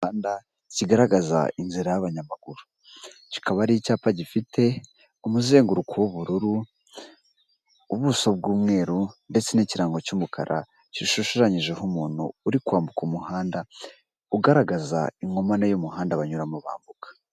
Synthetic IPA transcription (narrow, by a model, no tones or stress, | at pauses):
aːnda | ciɡaɾaɡaza̰inziɾajaβaɲamaɡ̥uɾu | ci̥kaβaɾiicaːpaɟifite̞ | umuze̞ːŋɡuɾukʰowoβuɾuɾu | uβuso̞b̚ɡuːmŋe̞ːɾunde̞t͡se̞niciɾaːŋɡo̞cuːmukʰa̰ɾʔa̰ | ciʃuʃʃaɲiʒe̞humuːn̥hṵːɾikwaːmbukumuhaːnda | uɡaɾaɡaza̰iŋɡo̞manejomuhaːndaβaɲuɾamuβa̰ːmbukḁ